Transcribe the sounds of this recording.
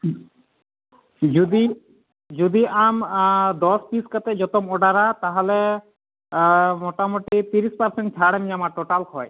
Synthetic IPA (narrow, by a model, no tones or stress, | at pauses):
d͡ʒud̪i | d͡ʒud̪iamd̪ɔspiskat̪ɛd͡ʒɔt̪ɔmɔɖaɾat̪aɦɔle | mɔʈamoʈit̪iɾispaɾseɳʈ̚t͡ʃʰaɽemiamaʈoʈalkʰɔj